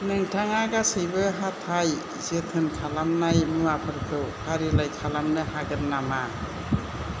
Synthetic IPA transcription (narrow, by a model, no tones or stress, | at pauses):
nɯŋtʰaŋaɡasɯjbɯɦatʰaj | zetʰɯnkʰalamnajmuwapʰɯɾtʰɯwkʰaɾilajkʰalamnɯɦaɡɯnːama